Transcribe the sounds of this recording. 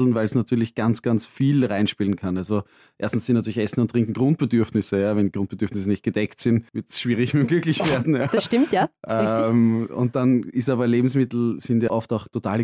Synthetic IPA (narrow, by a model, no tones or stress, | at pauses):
l̩n̩væɪlsnatʰyːɐlɪçɡ̥ant͡sɡ̥ant͡sfiːlʁaɪnʃpiːlənkʰanalzo | ʔeɐstn̩sːɪntnatyɐlɪçʔɛsn̩ʊntːʁ̥ɪ̃ŋkŋ̩ɡ̥ʁʊ̃nt̚b̥ədyɐfnɪsəjaːvɛndiɡ̥ʁʊ̃nt̚b̥əd̥yɐfnɪs̬ənɪçt̚ɡ̥əd̥ɛktsɪnvɪɐtsʃv̥iːʁɪçmɪmɡlʏklɪçv̥eːɐdn̩jaːdasʃtɪmtjaʔɛmʊ̰̃nt̚d̥anɪstaːbɐleːbm̩smɪtl̩sɪndjaʔɔftaʊxtʰotʰa̰ːlə